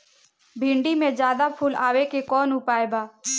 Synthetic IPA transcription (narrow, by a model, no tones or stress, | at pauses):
bʱɪ̃ɳɖimẽd͡ʒjaːd̪apʰʊːla̰ːʋekekɔːnɦʊpaːeɡaː